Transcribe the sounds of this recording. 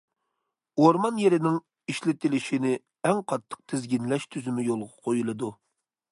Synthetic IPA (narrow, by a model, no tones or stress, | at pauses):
oɾmɑnjeɾɪnɪŋ | iʃlɪt̪ɪlɪʃinɪ | ɛŋqʰɑt̪ʰːə̥q̚t̪ʰɪzɡʲinlɛʃt̪ʰyzymɪjolˠʁɑqʰojulˠɨd̪u